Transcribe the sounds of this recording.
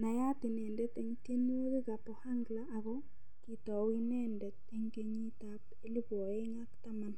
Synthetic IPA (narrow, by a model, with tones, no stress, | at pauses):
na˨ja˦tɪ˨nɛ˨ndɛ˦tɛ˨ŋtje˦n˦o˦ke˦ka˨pɔ˨ha˦ŋɡla˦ʔːɣɔ˦ | ki˨tɔ˨wi˦nɛ˦ndɛ˨t̚e˦ŋke˦ɲi˦ta˦p̚ | e˦li˦bɔ˨e˦ŋa˦kta˦ma˦n